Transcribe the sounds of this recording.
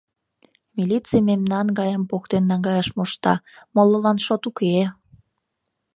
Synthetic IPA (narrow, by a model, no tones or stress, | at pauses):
milit͡simemnɑnɡɑjəmpokt̪enːɑŋɡɑjɑʃmoʃt̪ɑ̰mololɑnʃot̪uke